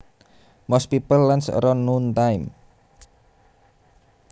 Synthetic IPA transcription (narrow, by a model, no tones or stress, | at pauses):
mɔspipəlːansə̰ɾɔnunt̪ajm